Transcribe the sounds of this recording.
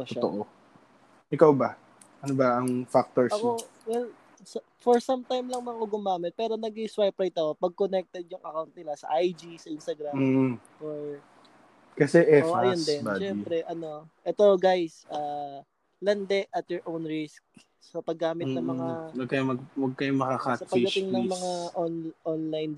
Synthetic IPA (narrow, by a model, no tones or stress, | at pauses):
oʃoaoʔo | ʔɪkawbɐ | ʔɐnobɐɐŋfak̚t̪oɹɐko | wɛl | sɐ | fɔɹsɐmt̪ajmlɐŋmɐkoɡʊmaːmɪt̪̚pɛːɾo̞nɐɡɪŋswajpɾajt̪ɐko̞pɐɡ̚konɛk̚t̪ɛd̪̚jʊŋʔɐkawnt̪̚nɪlasɐ̰ʔajd͡ʒisɐʔɪnst̪ɐɡɾamː | ʔoɹ | kɐsɛʔɛʔoɐjondd̪ɛnbaʃɛmpɾɛʔɐno̞ʔɛt̪o̞ɡajsʔaː | lɐnd̪ɛʔɐt̪̚jɔɹʔownɹɪsk̚ | sɐpɐɡːaːmɪt̪nɐŋmɐŋawɐɡ̚kɐjomɐɡwɐɡ̚kɐjomɐkakasɐpɐɡid̪ɐt̪ɪŋnɐŋmɐŋaʔonʔonlajn